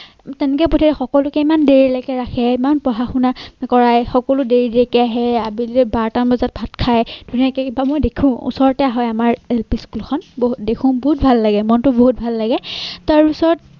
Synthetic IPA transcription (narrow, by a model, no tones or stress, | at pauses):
tɛnɛkɛpotʰitɛxɔkɔlʊkɛimandeɹilakɛɹaxʰɛimanpɹɔɦaxunakɔɹajxɔkɔlʊdeɹidkɛaɦɛabilɛbaɹtanbazat̚bʱat̚kʰajd̥ʱuniakɛkibamojdekʰũṵsɔɹɔtɛaɦɔjamaɹelpiskulkʰɔnboɦutdekʰʊ̃boɦut̚bʱalːaɡɛmɔntʊboɦut̚bʱalːaɡɛtaɹbisɔɹɔt̚